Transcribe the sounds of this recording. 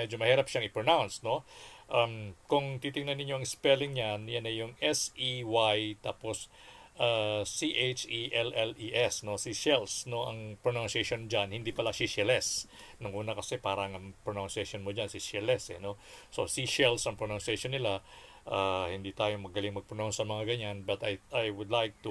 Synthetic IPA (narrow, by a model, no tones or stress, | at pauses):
mɛd͡ʒomɐhiːɾɐpʃaŋɪpɹonawnsno̞ʔamkʊŋt̪it̪ɪŋnɐnːɪɲo̞ʔɐŋɪspɛlɪŋɲanjanɐjʊŋʔɛsiwajt̪aːpo̞sʔasiʔejt͡ʃiʔɛlʔɛliʔɛsno̞siʃɛlsno̞ʔɐ̰ŋpɾonansɛʃond͡ʒanhɪnd̪iːpɐlaʃiʃɛlɛs | nʊŋʔuːnɐkɐsɛpaːɾɐŋɐpɾonawnsɛʃonmod͡ʒansiʃɛlɛsɛno̞ | so̞siʃɛlsɐŋpɾonansɛʃonːɪla | ʔaːhɪnd̪iːt̪aːjo̞mɐɡɐlɪŋmɐɡ̚pɾononsʔɐmɐŋaɡɐɲanbɐt̪ajʔajwʊd̪lajk̚t̪u